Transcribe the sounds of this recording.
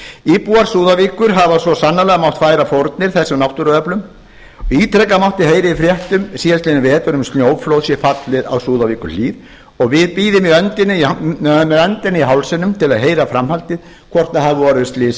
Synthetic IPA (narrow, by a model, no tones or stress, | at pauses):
ipuaɾ̥suːðavikʏɾɦavasɔsanːalɛɣamawht̪faːjɾafowɾt̪̚nɪɾ̥θɛsːʏmnawht̪ʏɾɔœplʏm | iːt̪ʰɾɛkːamawht̪ɪheːjɾɪifɾjɛht̪ʏmsiɛlsenɪvɛːɛt̪ʏɾʏmst̪ljoːwflowðsjɛfat̪lɪða̰wsuːðaviːkʏ̰ɾliːð | ɔɣvɪðpiːðɪmiœnt̪ɪnːɪmɛðœnt̪ɪnːɪiɦawlsɛnːʏmt̪ʰɪlaðɦeːjɾafɾamhalt̪ɪð | kʰvɔr̥t̪nahavɪvɔːɾʏɪst̪lɪːs